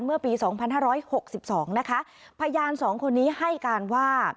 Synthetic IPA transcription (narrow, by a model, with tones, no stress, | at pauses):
nmɯ˥˩ɐpiː˧sɔː˩˦ŋpʰa˧nhaː˥˩ɾɔː˦˥jho˨˩k̚si˨˩p̚sɔː˩˦ŋna˦˥kʰa˦˥ | pʰa˧jaː˧nsɔː˩˦ŋkʰo˧nːiː˦˥ha˥˩jkaː˧nwaː˥˩